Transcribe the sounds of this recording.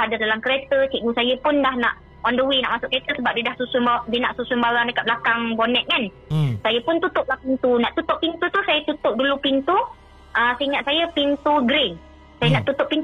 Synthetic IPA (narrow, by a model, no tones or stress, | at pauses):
adadalamkəɾet̪ət͡ʃiʔɡusajəpʊndahna̰ʔ | ɔndəwina̰ʔmasʊʔket̪əsəbap̚diədahsusʊmbadiənaʔsusʊmbawandəkat̪̚blakaŋbonɛt̪̚ŋan | sajəpʊnt̪ut̪ʊʔ̚lahpint̪unaʔt̪ut̪ʊʔpint̪ut̪usajət̪ut̪ʊʔ̚dulupint̪u | ʔəsəiŋaʔ̪sajəpint̪uɡɾɪn | sajənaʔt̪ut̪ʊʔpint̪